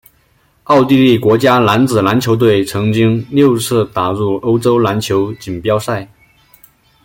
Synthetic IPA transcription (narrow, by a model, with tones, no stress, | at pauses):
ɑ˥˧ʊt̪i˥˧li˥˩kwɔ˧˥t͡ɕja˥la˧˥nt͡sɹ̩˨˩la˧˥nt͡ɕʰjo˧˥ʊt̪̬we˥˩ɪt͡sʰɤ˧˥ŋt͡ɕi˥ŋljo˥˧ʊt͡sʰɹ̩˥˩t̪a˨˩ɻu˥˩o˥ʊʈ͡ʂo˥ʊla˧˥nt͡ɕʰjo˧˥ʊt͡ɕi˨˩npjɑ˥ʊsa˥˩ɪ